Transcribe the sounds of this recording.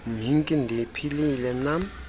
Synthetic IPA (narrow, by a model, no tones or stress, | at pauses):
m̤iŋkʼindʱipʰililɛnam